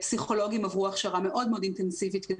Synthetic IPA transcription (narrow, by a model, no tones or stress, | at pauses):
psiχo̞lo̞ɡimavʁuaχʃaʁame̞ʔo̞dmeodintensivit̪ke